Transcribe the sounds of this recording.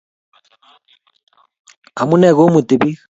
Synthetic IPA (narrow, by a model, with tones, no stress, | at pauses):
a˨mu˦nɛ˨ɣo˦mu˨ti˨bi˦